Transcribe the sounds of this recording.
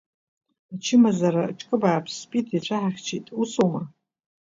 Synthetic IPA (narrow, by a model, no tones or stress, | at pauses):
at͡ʃʰɪmazaɾaʈ͡ʂʼkʼɨbaːpʰspʼitʰit͡ɕʷʰaħaχʲt͡ʃʰitʼusomɨr